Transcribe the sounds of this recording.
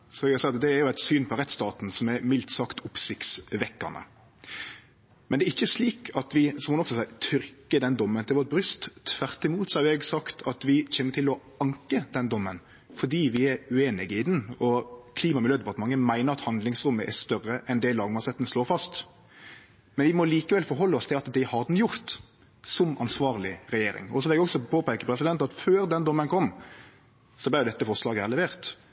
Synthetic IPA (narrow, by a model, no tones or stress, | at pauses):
sɔʋɪɡɑsɛɑt̪d̪ɛæɾjʊæɪt̪syːnpʰɔɾɛt̪st̪ɑːt̪n̩sɔmɛmɪlt̪sɑkt̪ʊpsɪkt̪sʋɛkːɑnə̰ | mɛnd̪ɛːɾɪçːəsliːkʰɑt̪ʋɪsɔmhʊnɔksɔsæɪt̪ʰʏɾkəd̪ɛnd̪ɔmːənt̪ʰɪlʋɔɾ̚bɾʏst̪ʰʋæʁt̪ɪmuːt̪sɔhɑɾɛɡsɑkt̪ʰɑt̪ʋɪçeːnət̪ʰɪlɔ | ɑŋkəd̪ɛnd̪ɔmːən | fɔɖ̪iːʋɪɛɾʉeːnɪɡəɪd̪ɛn̩ɔkʰliːmɑmɪljøːd̪ɛpɑt̪əmɑŋːəmæɪnəɾɑt̪hɑnd̪lɪŋsɾʊmːəʔɛst̪œrəʔɛnd̪ɛlɑːɡmɑsɛt̪nsloːɾfɑst̪ | mɛnʋɪmɔliːkəʋɛlfɔɾɦɔlːəɔst̪ʰɪlɑt̪d̪ɪhɑɾd̪njʊɾt̪ | sɔmɑnsʋɑːʁlɪɾɛjeːɾɪ̰ŋɔsɔʋɪlɛɡɔksɔpʰoːpæɪkəpʰɾɛsɪd̪ɛnt̪ɑt̪føːɾd̪ɛnd̪ɔmːənkʰɔmː | sɔblɪɾjʊd̪ɛt̪ːəfɔɾslɑːɡəæʁlɛʋeːʁt̪